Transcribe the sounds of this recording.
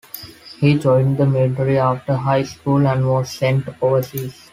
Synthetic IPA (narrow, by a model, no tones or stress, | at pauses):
hiːd͡ʒɔ̃ɪ̃nɖd̪əmɪlʈəɾiaːfʈəɾɦaɪskuːlæ̃ɳɖʋɔːzsɛ̃ɳʈoːʋəɾsiːz̥